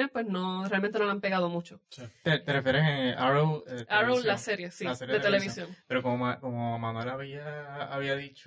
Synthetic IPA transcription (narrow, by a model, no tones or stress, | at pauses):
epwe̞snorealment̪e̞noampe̞ɣaðo̞mũt͡ʃot̪et̪erefjeɾeseaɾowleaɾowlase̞ɾje̞siaseɾjd̪et̪eleβisjõ̞ŋpeɾokomomakomomanwelaβiaːβiaðit͡ʃ